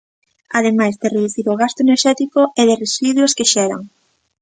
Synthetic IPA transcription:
aðemajzd̪ereðuθiɾʊɣast̪oeneɾʃɛt̪ikoeðeresiðweskeʃɛɾa̰ŋ

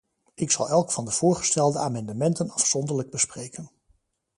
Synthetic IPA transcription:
ɪksɑ̰lˠɛlˠkfɑndəv̥ʊːɹχə̥stɛlˠdəaːmɑndəmɛntənɑfsɔndəɹləɡ̚bəsprejkən

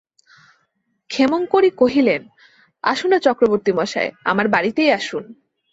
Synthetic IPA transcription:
kʰemonkoɾikoɦilen | a̰ʃunat͡ɕɔkɾoboɾt̪imɔʃa̰ea̰maɾbaɾit̪ejaʃun

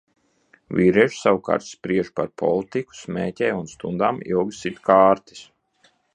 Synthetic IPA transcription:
vʲiːɾiɛʒsawuka̰ːɾt̪spɾiɛʒpaɾpʰɔ̰lˠt̪iku̥smɛːtʲɛjunst̪ṵnd̪aːmḭlˠɡsit̪kʰaːɾt̪i̥s

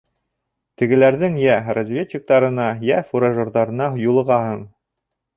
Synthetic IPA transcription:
t̪ɘ̆ɡɘ̆læɾðɘŋjærɐzvʲet͡ɕʲːik̚t̪ɑɾɤ̆nɑjæfuɾaʒŏɾðɑɾɤ̆nɑɦojulˠɤ̆ʁɑhɤɴ

